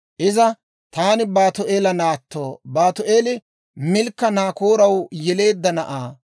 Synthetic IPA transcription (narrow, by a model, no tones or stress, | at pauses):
ʔɪzɐ | t̪aːnɪbaːt̪ʊʔe̞ːlɐnaːt̪ːoːbaːt̪ʊʔe̞ːlɪ | mɪlkːɐnaːkoːɾɐwjɛle̞ːd̪ːɐnɐʔaː